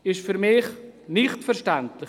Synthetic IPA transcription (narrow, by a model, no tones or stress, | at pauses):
ɪʃfyɾmɪχnɪχtfɛɾʃtæntlɪ